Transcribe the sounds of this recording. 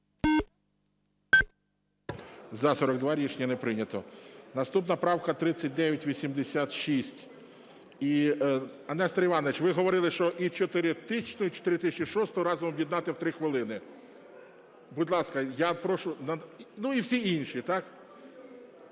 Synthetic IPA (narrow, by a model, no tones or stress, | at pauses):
zɐsɔɾɔɡd̪ʋɑɾʲiʃnʲɐnɛpɾɪnʲɐt̪ɔnɐst̪upnɐpɾɑwkɐt̪ɾɪt͡sʲːɐt̚ʲd̪ɛʋʲjɐtʲʋʲisʲimd̪esʲat̪ʃisʲtʲ | i | ɐnɛst̪ɾɐiʋɑnɔʋɪt͡ʃʋɪɦɔʋɔɾɪlˠɪʃt͡ʃɔʔit͡ʃɔt̪ɪɾɪt̪ɪt͡ʃnɔit͡ʃɔ̥t̪ɪɾʲɪt̪ɪsʲt͡ʃʲiʃɔst̪ɔɾɑzɔmɔbjid̪nɑt̪ɪwt̪ɾɪxʋɪlˠɪnɪ | budʲlˠɑskɐjapɾɔʃʊnɐnuiwsʲiinʃit̪ɑk